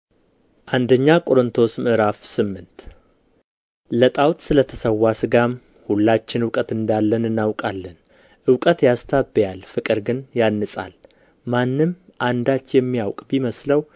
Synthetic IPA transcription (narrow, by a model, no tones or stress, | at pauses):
ʔand̪əɲːakʼo̞ɾɨnt̪ʰo̞smɨʔɾafsɨmːɨnt̪ | lət̪ʼawt̪sɨlət̪ʰəsəwːasɨɡam | hulːat͡ʃːɪnɨwkʼət̪ɨnd̪alːənɨnːawkʼalːən | ʔɨwkʼət̪jast̪ʰabjalfɨkʼɨɾɡɨnjanːɨsʼa̰l | manːɨmʔand̪at͡ʃːjɛmːijawkʼbiməsləw